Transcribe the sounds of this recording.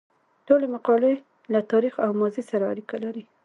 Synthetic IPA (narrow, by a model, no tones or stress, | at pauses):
ʈolemaqɑle | lat̪ɑɾixawmɑzisaɾaa̰ɾikalaɾi